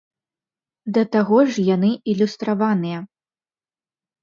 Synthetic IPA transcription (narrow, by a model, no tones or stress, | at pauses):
d̪ɐt̪aɣɔʐjan̪ɨilʲust̪ɾavanɨjɐ